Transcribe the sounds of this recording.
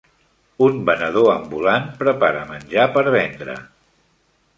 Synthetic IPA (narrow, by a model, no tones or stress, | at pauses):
unbənəð̞oəmbulanpɾəpaɾəmənʲʒapəɾβɛnd̪ɾə̰